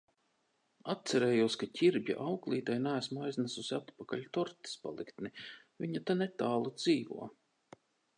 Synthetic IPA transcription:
at̪sɛɾɛːjuɔskacʲiɾbʲja̰ʔawklˠiːt̪ajnæːsmajznasʊsʲat̪pakaʎʲt̪ɔɾt̪i̥spa̰lˠikt̪ni | vʲiɲat̪anet̪aːlˠud̪ziːvṵɔ

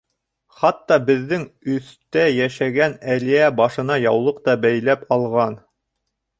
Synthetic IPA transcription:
χɑt̪ːɑbɘ̆ðːɘŋɵ̆θt̪æjæʃæɡænælijæbɑʃɤ̆nɑjɑwlˠɤq̚t̪ɑbæjlæpɑlˠʁɑn

